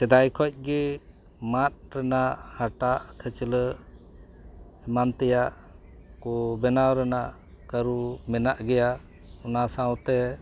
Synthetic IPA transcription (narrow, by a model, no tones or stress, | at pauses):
sɛd̪ajkʰɔc̚ˀɡɛ | mat̪̚ɾɛnaʔhaʈaʔkʰət͡ʃilə | ɛmant̪ɛjaʔ | kɔbɛnawɾɛnaʔ | kaɾumɛnaʔɡɛjaʔ | unasawt̪ɛ